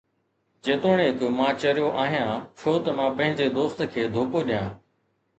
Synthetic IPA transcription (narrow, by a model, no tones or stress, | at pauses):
t͡ɕeːt̪oːɽ̃eːk̪ʊmãːt͡ɕɐɾjoʔaːɦijãːt͡ɕʰoːt̪ɐmãːpɐ̃ɦɪ̃ɲd͡ʑed̪oːst̪kʰeːd̪ʱoːpoːɗɪjãː